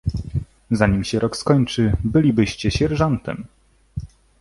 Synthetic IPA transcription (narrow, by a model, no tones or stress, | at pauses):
zaɲimɕɛɾɔkskɔɲt͡ʂɘbɘlʲibɘɕt͡ɕɛɕɛɾʐɔnt̪ɛ̰m